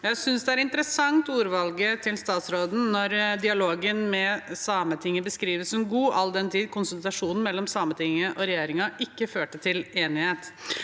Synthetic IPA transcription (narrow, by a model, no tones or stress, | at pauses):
jæɪsʏnsd̪ɛæɾɪnt̪əɾəsɑŋt̪uːɾʋɑlɡət̪ʰɪlst̪ɑːt̪sɾoːd̪n̩nɔɾd̪ɪɑloːɡənmɛsɑːmət̪ʰɪŋːəbəskɾiːʋəsɔmɡuːʔɑld̪ɛnt̪ʰiːd̪̚kʰʊnsʊnt̪ɾɑʂuːnn̩mɛlːɔmsɑːmət̪ɪŋːəʔɔɾɛjeːɾɪŋɑɪkːəføːʈət̪ʰɪleːnɪheːt̪